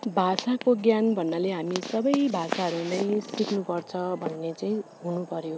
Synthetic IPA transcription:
bʱasakoɡjanbʱʌnːaleɦamisʌbʌjbʱasaɦʌɾunʌj̃sʈiknupʌrt͡sʰʌbʱʌnːet͡saĩ | ɦunupʌɾjo

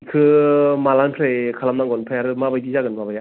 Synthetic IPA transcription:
kʰɯmalanpʰɾekʰalamnaŋɡɔnpʰɾejaɾɯmabajdizaɡɯnbabaja

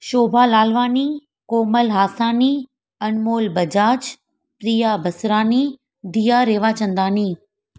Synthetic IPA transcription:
ʃoːbʱalaːlʋaːni | koːməlɦaːsaːni | ɐnmoːlbɐd͡ʑaːd͡ʑ | pɾiːjabʱɐsɾaːni | d̪ijaɾeːʋat͡ɕɐ̃nd̪aːniː

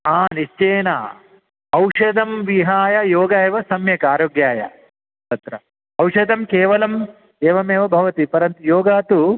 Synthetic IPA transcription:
aːniʃt͡ʃeːnɐ | ɐwʂɐd̪ɐmʋiɦaːjɐjoːɡɐeːʋɐsɐmjɐkaːɾoːɡjaːjɐ̰ | t̪ɐt̪ɾɐ | ɐwʂɐd̪ʱɐmkeːʋɐlɐm | eːʋɐmeːʋɐbʱɐʋɐt̪ipɐɾɐnt̪ujoːɡaːt̪u

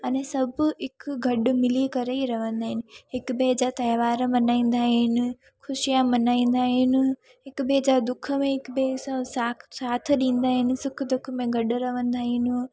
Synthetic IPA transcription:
ɐnẽsɐbʱɦɪkɡʱɐɗ̆mɪlikɐɾeiɾɐʋə̃nd̪aːɦɪnɪ̆ɦɪkbed͡ʑat̪ɐːʋaːɾmɐnaːĩːn̆d̪aːɦɪnɪ̆ | xʰʊʃijamɐnaːĩːn̆d̪aːɦɪnɪ̆ | ɦɪkɓed͡ʑaːd̪ʊkʰə̆mẽɦɪkbesãsaːsaːt̪ʰɗĩːn̆d̪aːɦɪnɪ̆sʊkʰd̪ʊkʰmẽɡʱɐɗɾɐʋə̃nd̪aːɦɪnɪ

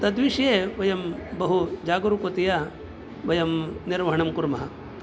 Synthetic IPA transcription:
t̪ɐd̪ʋiʂjeːʋɐjɐmbɐɦud͡ʒaːɡuɾukot̪ija | ʋɐjɐmniɾʋɐɦɐɳɐmkuɾmɐɦɐ

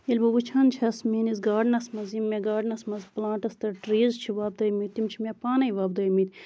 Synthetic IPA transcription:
elʲbɐʋut͡ʃʰaːnt͡ʃʰɐsmeːnizɡaːɖnɐsmɐzimːeɡaːɖnɐsmɐzplãːʈɐst̪ɐɾʈɾeːzt͡ʃʰiʋaːb̚d̪ɐːjmit̪̚t̪ːimt͡ʃʰimʲepaːnɐjiʋaːb̚d̪ɐːjmiːt̪

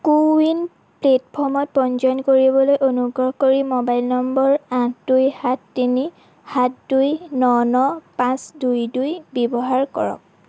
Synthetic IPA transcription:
kuin | pletpʰɔɹmɔt̚pɔnzɔnkoɹibɔlojʔonuɡɹɔhkoɹimobajlnɔmbɔɹãdujhatːini | hatdujnɔnɔpãsdujdujbɔbɔɦaɹkɔ̰ɹɔ̰k̚

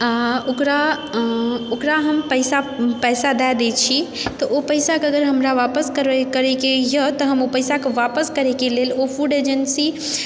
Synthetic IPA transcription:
aokɾa | okɾaɦəmpəjsapɛjsad̪ad̪ɛt͡ʃʰit̪ɔʔopəɪsakeəɡəɾɦəmɾaʋapəskəɾkəɾekejət̪ɔɦəmopəjsakeʋapəskəɾɛkelelofʰuɖed͡ʒənsi

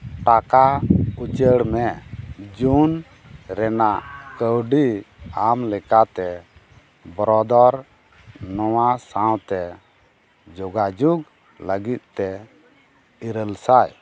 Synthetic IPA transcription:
ʈakaut͡ʃəɽmɛd͡ʒun | ɾɛnaʔkəwɖiamlɛkat̪ɛ | bɔɾɔd̪ɔɾ | nɔwasaw̃t̪ɛ | d͡ʒɔɡad͡ʒuɡ | ləɡit̪̚ˀt̪ɛ | iɾəlsaj

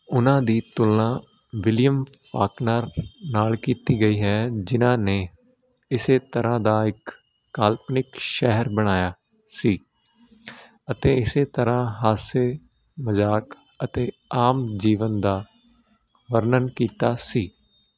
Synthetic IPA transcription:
ʊnãːd̪iːt̪ʊlnãː | ʋɪlɪjəmpaːknəːɾnaːlkiːt̪iːɡəiːɦɛːd͡ʒɪnãːneː | ɪseːt̪əɾãːd̪aːɪkː | aːlpnɪkʃɛɦəɾbəɽ̃aːjaː | siː | ət̪eːɪseːt̪əɾãːɦaːseː | məzaːk | ət̪eː | aːmd͡ʒiːʋənd̪aː | ʋəɾnənkiːt̪aːsiː

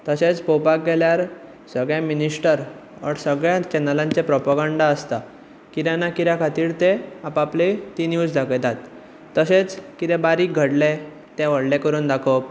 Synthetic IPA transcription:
t̪əset͡spopak̚ɡɛljaɾ | səɡɭjãminisʈəɾ | ə̰ɽsəɡɭjãt͡ɕɛnəlãɲt͡ɕepɾɔpaɡãɳɖaəst̪a | kiɾjanːakiɾjãkʰat̪iːɾt̪eapaplet̪injuːd͡zd̪ʱaket̪at̪ː | əset͡skit̪ebaɾiːk̚ɡʱəɽle | t̪ɛ̃ʋəɽlekəɾuːnd̪akʰop

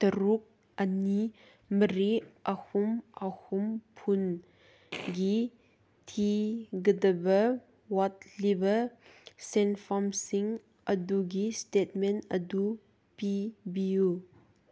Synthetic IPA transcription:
t̪ɐɾuk̚ | əni | məɾiʔahumʔahumpʰun | ɡi | tʰiɡədəbə | wɔt̚libɐsɛnfɔmsiŋ | ʔɐduɡistet̚mɛnə̰du | pibiu

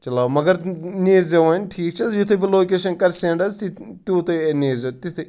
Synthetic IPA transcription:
t͡ʃɐlaːmɐɡɐɾniːɾzɐʋaːnʲʈʰiːk̚t͡ʃʰɐsjut̪ʰibiloːkeːʃɐnkɐɾsẽːɳɖɐzt̪it̪uːt̪ɐeniːɾzɐt̪it̪ʰi

